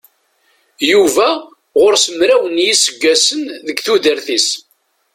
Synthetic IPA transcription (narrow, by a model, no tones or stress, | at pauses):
juvæ | ʁʊɾsəmɾæwənjisəɡːæsənðəɡθuðəɾθis